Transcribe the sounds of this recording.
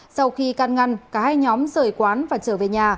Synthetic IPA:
sa˧wxi˧ka˧˩nŋa˧˩ŋkaː˧˩haː˧jɲɔ˨˦mzəː˧˩jkwaː˨˦nvaː˨˩t͡ɕəː˧˩ve˨˩ɲaː˨˩

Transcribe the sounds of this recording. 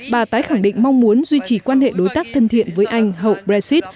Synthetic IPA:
ɓaː˨˩t̪aː˨˦jxa˧˩ŋɗḭ˧˨ŋ̟ma˧wŋ͡mmu˨˦ənzwi˧t͡ɕi˧˩kwaː˧nhḛ˧˨ɗo˨˦jt̪aː˦˥k̚t̪ʰə˧nt̪ʰḭ˧˨ənvəː˨˦jʔa˧jŋ̟ɦə̰˧˨wɓɾɛ˧zi˦˥t̚

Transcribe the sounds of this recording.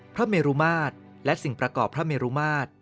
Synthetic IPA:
pʰɾa˦˥meː˧ɾuː˦˥maː˥˩t̪̚ | lɛ˦˥si˨˩ŋpɾa˧kɔː˨˩pʰɾa˦˥meː˧ɾuː˦˥maː˥˩t̪̚

